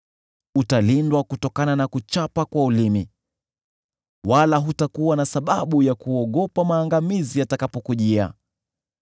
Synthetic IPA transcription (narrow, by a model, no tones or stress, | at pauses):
utalindwakutɔkananakut͡ʃapakwaulimi | walaɦutakuwanasaɓaɓujakuɔɠɔpamaːŋɡamizijatakapɔkuʄia̰